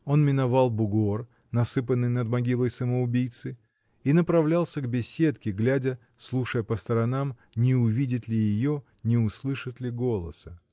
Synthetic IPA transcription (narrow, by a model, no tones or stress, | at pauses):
o̞nmʲɪnɐvalˠbʊɡor | nɐsɨpənːɨjnəd̪mɐɡʲilˠəjsəməʊbʲijt̪sɨ | inəpɾɐvlʲalˠsʲəɡbʲɪsʲe̞t̪kʲɪɡlʲadʲə | slˠuʂəjəpəst̪əɾɐnamnʲɪʊvʲidʲɪt̪lʲɪjɪjo | nʲɪʊslˠɨʂɨt̪lʲɪɡo̞lˠə̰sə